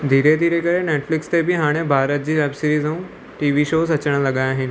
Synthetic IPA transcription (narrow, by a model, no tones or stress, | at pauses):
d̪ʱiːɾed̪ʱiːɾekɐɾeneːʈflɪkst̪ebʱɪɦaːɽ̃ebʱaːɾət̪̚d͡ʑiːʋɛːbsɪɾiːzũ | ʈiːʋiʃoːsɐt͡ɕəɽ̃lɐɠaːjaɦɪnɪ̆